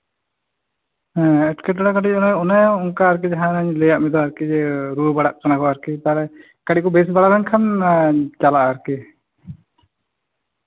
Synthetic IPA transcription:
ɛ̃ɛʈkɛʈaɽakaʈic̚ˀɔnajɔnajuŋkaːɾk̬id͡ʒaɦanaɲlɛjaʔmɛd̪ɔaɾkid͡ʒɛɾubaɽaʔkanakɔaɾkit̪aːɾɛ | kaɽikɔbɛs̬baɽaɾankʰan | d͡ʒalaʔaɾki

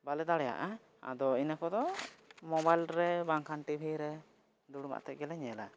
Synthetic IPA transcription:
balɛd̪aɽɛja̰ʔa | a̰d̪ɔinəkɔd̪ɔmɔbajlɾɛbaŋkʰanʈibʱiɾɛ | d̪uɽuma̰ʔt̪ɛʔ̚ɡɛlaɲɛla

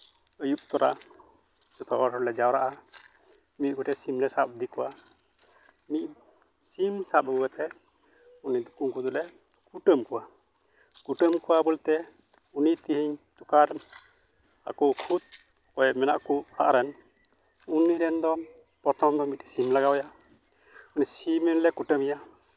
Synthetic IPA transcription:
əjup̚t̪ɔɾa | d͡ʒɔt̪ɔaɾɔlɛd͡ʒawɾaʔa | mit̪̚kuʈɛsimlɛsap̚d̪ikɔwa | mit̪̚ | simsap̚əbwɛt̪ɛ | unid̪ukuŋkud̪ulɛ | kuʈəmkuwa | kuʈəmkuwabɔlt̪ɛ | unit̪ihiɲt̪ukaɾ | a̰kɔkʰud̪̚ | kɔjɛmɛna̰ʔkuaʔɾɛn | uniɾɛnd̪ɔ | pɾɔt̪ɔmd̪ɔmit̪̚simlaɡawja | unisimɛnlɛkuʈəmija

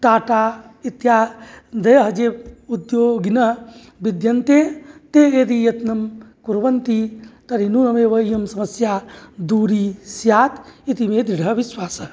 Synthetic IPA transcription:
t̪aːʈait̪jad̪ɐjɦd͡ʒeud̪joɡinɐ | bid̪jɐnt̪et̪eed̪ijɐt̪nɐmkuɾbənt̪it̪ɐɾinunɐmeʋəijəmsɐməsjad̪uɾisjaːt̪it̪imed̪ɾiɽʱəbiswaːsə

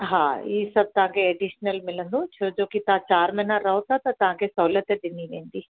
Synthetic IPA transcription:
ɦãːiːsɐb̚t̪ãːɡeːɖiʃnɐlmilɐnd̪ut͡ʃʰɐɾd͡ʒoːkit̪ãːt͡ʃaːɾmenaɾɐwt̪at̪ɐt̪ãːɡesoːlɐt̪ed̪iniʋend̪i

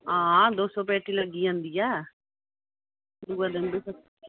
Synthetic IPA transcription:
ɦãːd̪oːsɔ̃ːpɛːʈiːləɡːiːãːnd̪iːjɛː | dd̪uːad̪ɪnbisə

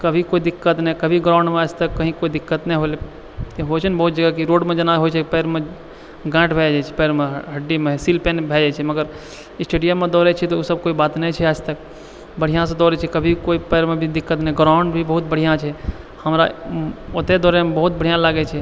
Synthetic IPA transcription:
kəbʱikoid̪ɪkːət̪nɛkəbʱiɡɾãʊɳɖmeaːd͡ʒʱt̪əkːəɦĩkoid̪ɪkːət̪nɛɦole | t̪eɦot͡ʃʰənbəɦut̪̚d͡ʒəɡakiɾoːɽmẽd͡ʒənaɦot͡ʃʰɛkipɛːɾmẽ | ɡãːʈbʱɛd͡ʒat͡ʃʰɛ̥pɛːɾmẽɦəɖːimẽsilpenbʱɛd͡ʒat͡ʃʰɛməɡəɾ | ɪsʈeːɖijəmːẽd̪ɔɾɛt͡ʃʰɛt̪ɔusəb̚koːibaːt̪nɛt͡ʃʰɛaːd͡ʒt̪ək | bəɽ̤ijãs̬ɔ̃d̪ɔːɾɛt͡ʃʰɛkəbʱikoipɛːɾmẽbʱid̪ɪkːət̪nɛɡɾaʊɳɖbʱibəɦut̪̚bəɽ̤ijãt͡ʃʰɛ | həmɾaot̪ed̪ɔːɾɛmebəɦut̪̚bəɽ̤ijãlaɡɛt͡ʃʰɛ

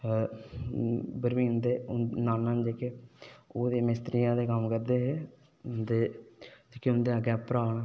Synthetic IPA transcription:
bəɾmĩːnd̪eːnaːnːaːnd͡ʒeːkeːoːd̪eːmɪst̪ɾijãːeːkəmkəɾd̪eːɦeː | nd̪eːd͡ʒeːkeʊnd̪eːəɡeːpəɾaːʋnaː

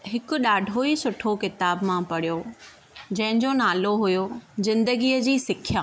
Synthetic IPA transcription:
ɦɪkʊ̆ɗaːɖʱoisʊʈʰokɪt̪aːbmãpɐɽijo | d͡ʑɐ̃ɦɪ̃ɲd͡ʑonaːloɦʊjozɪ̃nd̪əɡiːəd͡ʑiːsɪkʰjaː

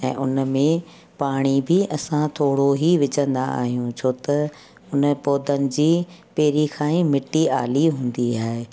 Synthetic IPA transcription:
ɛ̰̃ːʔʊnəmẽ | paːɽ̃ibɪʔɐsãt̪ʰoːɽoɦiʋɪd͡ʑə̃nd̪aa̰ːɦijũt͡ɕʰoːt̪ɐ | ʊnəpoːd̪ənɪ̆d͡ʑiːpeːɾikʰãːĩmɪʈːiaːliɦũːn̆d̪iaːɦe

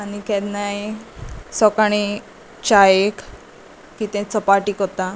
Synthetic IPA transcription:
anikɛd̪naj | sɔkaɽ̃i | t͡ɕajek | kit̪ɛ̃t͡səpaʈiːkɔt̪a

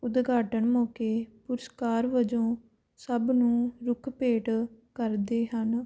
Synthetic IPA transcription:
ʊd̪ɡʱaːʈəɳmõːkeːpʊɾəskaːɾʋəd͡ʒõː | səbnũːɾʊkʰpeːʈkəɾd̪eːɦən

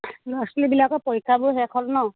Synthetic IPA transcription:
laslibilakɔpɔjkʰabʊɦɛkʰɔlnɔ

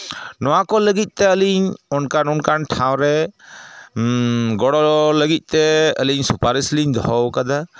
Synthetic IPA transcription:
nɔwakɔləɡit̪̚ˀt̪ɛəliɲɔnkanɔnkanʈʰaw̃ɾɛ | ɡɔɽɔləɡit̪̚ˀt̪ɛəliɲsupaɾisliɲd̪ɔɦɔwkad̪a

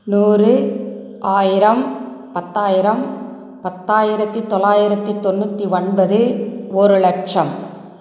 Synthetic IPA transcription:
nuːrɯ | aːjɪɾɐm | pɐt̪ːaːjɪɾɐm | pɐt̪ːaːjɪɾɐt̪ːɯt̪ːɔɭaːjɪɾɐt̪ːɯt̪ːɔnːʊt̪ːiɔɳbɐðɯɔɾɯlɐk̚t͡ʃɐm

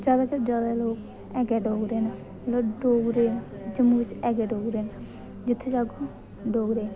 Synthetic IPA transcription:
d͡ʒaːd̪aːkəd͡ʒaːd̪aːloːk | ɛːɡɛːɖoːɡɾeːna | loːɖoːɡɾeːnː | d͡ʒəmuːʋɪt͡ʃɛːɡɛːɖoːɡɾeːnaː | d͡ʒɪt̪ʰːeːd͡ʒaːɡoː | ɖoːɡɾeːn

